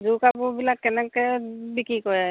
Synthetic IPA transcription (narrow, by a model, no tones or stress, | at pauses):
zukapubilakːɛnɛkɛbikikɔja